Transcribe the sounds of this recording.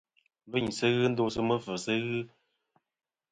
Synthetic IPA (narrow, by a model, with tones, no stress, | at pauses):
bə˦˨ɲ˨sə˦ɣɨ˦n̩˦do˧˦sə˦mə˦fə˨sə˦ɣɨ˦